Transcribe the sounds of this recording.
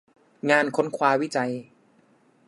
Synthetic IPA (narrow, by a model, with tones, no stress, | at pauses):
ŋaː˧nkʰo˦˥nkʰwaː˧wi˦˥˩t͡ɕa˧j